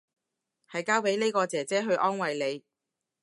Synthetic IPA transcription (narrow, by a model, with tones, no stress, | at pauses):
hɐ˨jkaː˥wpe˨˥jne˥jkɔː˧t͡sɛː˨˩t͡sɛː˥ɦɵ˧ɥʔɔː˥nwɐ˨jle˨˧j